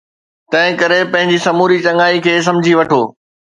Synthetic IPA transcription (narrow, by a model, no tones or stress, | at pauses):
t̪ɐ̃ɦɪ̃kɐɾepɐ̃ɦɪ̃ɲd͡ʑisɐmuːɾit͡ɕɐŋaːikʰeːs̬ɐ̃md͡ʑʱiʋɐʈʰoː